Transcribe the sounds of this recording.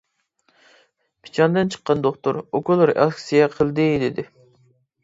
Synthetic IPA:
pʰi̥t͡ʃʰɑnd̪ɨnt͡ʃʰə̥qːɑnd̪oχt̪uɾokulˠɾʔɛ̰lˠkʲsijɛqʰəlˠd̪ɨd̪ɪd̪ɪ

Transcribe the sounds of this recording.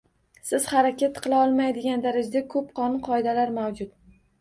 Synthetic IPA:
sɪz̥χaɾakʲat̪qʰɨlˠaɒlˠmajd̪ɪɡʲand̪aɾad͡ʒad̪akʰɵp̚qʰɒnʊnqʰɒɪd̪alaɾmawd͡ʒʊt̪̚

